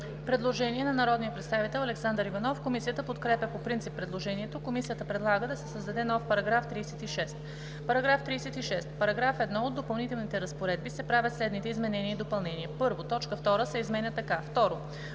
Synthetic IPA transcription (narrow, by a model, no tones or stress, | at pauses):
pɾɛd̪lˠoʒɛniɛnɐnɐɾɔd̪nijəpɾɛt̪st̪avit̪ɛlˠɐlɛksand̪ɾəɾivɐnɔfkomisijət̪əpot̪kɾɛpʲɛpopɾint̪sipːɾɛd̪lˠoʒɛniɛt̪okomisijət̪əpɾɛd̪lˠaɡəd̪ɐsɛsəzd̪ɐd̪ɛnɔfpɐɾɐɡɾaft̪ɾiːsɛt̪iʃɛst̪ | pɐɾɐɡɾaft̪ɾiːsɛt̪iʃɛst̪pɐɾɐɡɾafɛd̪nɔod̪ːopɐlˠnit̪ɛlˠnit̪ɛɾɐspoɾɛd̪̚bisɛpɾavʲət̪slɛd̪nit̪ɛizmɛnɛniəid̪opɐlˠnɛniɛpɤɾvot̪ɔt͡ʃkəft̪ɔɾəsɛizmɛnʲət̪ɐkaft̪ɔɾo